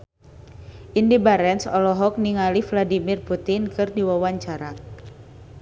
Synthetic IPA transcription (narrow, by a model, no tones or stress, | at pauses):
ʔindibaɾɛnsɔlɔɦɔk̚niŋalifladimirput̪inkɨrdiwawaɲt͡ʃaɾa